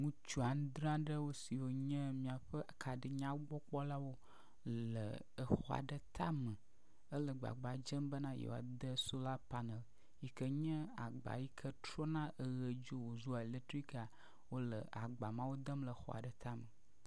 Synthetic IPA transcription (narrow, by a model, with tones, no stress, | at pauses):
ŋũ˦t͡ʃu˦a˨ñ˦d̪ɾã˦ɖə˦wo˦si˨wo˦ɲə̃˦mĩ˨a˨ɸə˦˨kʰa˨ɖə˨ɲã˦wo˦ɡ͡bɔ˦k͡pɔ˦la˦wo˦ | lə̰˨ | ə˨xɔ˦a̰˨ɖə˦t̪ʰa̰˦mə˨ | ə˦lə˨ɡ͡ba̰˨ɡ͡ba˨d͡ʒə˦mbə˦nã˦jḛ˨w̰a̰˨d̪ə˦so˦la˦pa˨nə˨l | ji˨kə˦ɲə̃˦a˨ɡ͡ba̰˨ji˦kʰə˦tɾɔ˦nã˦ʔə˨ɣə˨d͡ʒo˦wo˨zu˦a˨e˨le˦t̪ɾi˦ka˨ | wo˦lə̰˨a˨ɡ͡ba˨mã˦wo˦d̪ə˦mlə˨˦xɔ̰˦a̰˨ɖə˨t̪a˦mə˨